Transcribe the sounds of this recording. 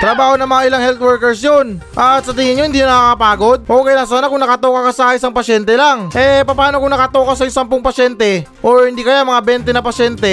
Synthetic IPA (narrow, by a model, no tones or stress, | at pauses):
t̪ɾɐbaːho̞nɐŋmɐŋaʔɪlaŋhɛlt̪̚wɛɹkɛɹsjonʔat̪sɐt̪ɪŋɪɲːohɪnd̪iɲonɐkaːkɐpaːɡo̞d̪̚ʔokɛjnas̬aːnakʊŋnɐkɐt̪okɐkɐsakɐʔɪsaŋpɐʃɛnt̪ɛlaŋʔɛpɐpaːnokʊŋnɐkɐt̪okɐs̬ɐjʊŋsampoŋpɐʃɛnt̪ɛ | ʔo̞ɹhɪnd̪ikɐjamɐŋabɛnt̪ɛnɐpɐʃɛnt̪ɛ